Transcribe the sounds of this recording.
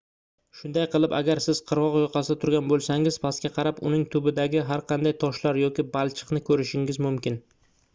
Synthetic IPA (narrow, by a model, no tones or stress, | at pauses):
ʃʊnd̪ajqʰɨlˠɪpa̰ɡʲaɾsɪz̥qʰɨɾʁɒqjoqʰɑsɪd̪at̪ʰʊɾɡʲanbolˠsaŋɪzpʰaskʲaqʰɑɾapʊ̰nɪŋt̪ʰʊbɪd̪aɡʲɪɦaɾqʰɑnd̪ajt̪ʰɒʃlaɾjɒkʲɪbalˠt͡ʃʰɨ̥qnɪkʰɵɾɪʃɪŋɪzmʊmkʲɪn